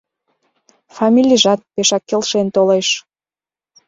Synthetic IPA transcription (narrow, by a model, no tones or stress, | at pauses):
fɑmʲilʲiʒɑt̪̚peʃɑkːelʃent̪oleʃ